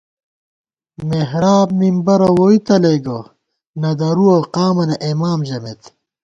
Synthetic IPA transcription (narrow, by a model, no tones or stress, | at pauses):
meɦɾaːbmimbɐɾɐwoit̪ɐleɡɐ | nɐd̪ɐɾuɐqaːmɐnɐʔemaːmʑɐmet̪